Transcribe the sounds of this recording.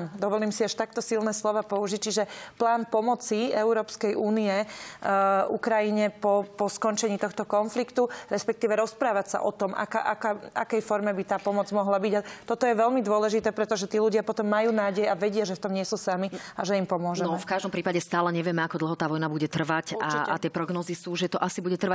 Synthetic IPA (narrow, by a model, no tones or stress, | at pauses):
md̪ɔʋɔliːmsiaʃt̪ak̚t̪ɔsilnɛːslɔʋaːpɔuʒic̚t͡ʃiʒɛplaːnpɔmɔt͡siɛʊɾɔːpskɛjʔuːniɛ | ṵkɾajiɲɛpɔpɔskɔnt͡ʃɛɲiːt̪ɔxt̪ɔkɔnflikt̪uɾɛspɛk̚t̪iːʋɛɾɔspɾaːʋacsa̰ʔɔt̪ɔmʔa̰ka̰ʔa̰kaːa̰kɛjfɔɾmɛbit̪aːpɔmɔd͡zmɔɦlabiɟat̪ɔt̪ɔjɛʋɛʎmid̪ʊɔlɛʒit̪ɛːpɾɛt̪ɔʒɛt̪iːluɟɪapɔt̪ɔmːajuːnaːɟɛjaʋɛɟɪaʒɛft̪ɔmɲɪɛsuːsamiaʒɛimpɔmʊɔʒnɛnɔɛfkaʒd̪ɔmpɾiːpaɟɛst̪aːlɛɲɛʋɪɛmɛakɔd̪l̩ɦɔt̪aːʋɔjnabuɟɛt̪r̩ʋacaa̰t̪ɪɛpɾɔɡnɔːzisuːʒɛt̪ɔʔasibuɟɛt̪r̩ʋa